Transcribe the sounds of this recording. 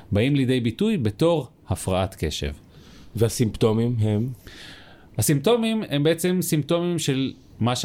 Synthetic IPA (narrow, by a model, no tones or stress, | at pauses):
baimlid̪e̞jbitujbeto̞ʁ | hafʁaʔatke̞ʃḛv | veasimpt̪o̞mimɦem | hasimto̞mimhembeet͡se̞msimto̞mimʃe̞l | maʃ